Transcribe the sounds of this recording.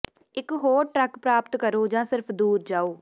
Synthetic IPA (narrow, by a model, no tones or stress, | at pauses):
ɪkɦoːɾʈɾəkpɾaːpt̪kəɾoːd͡ʒãːsɪɾpʰd̪uːɾd͡ʒaːoː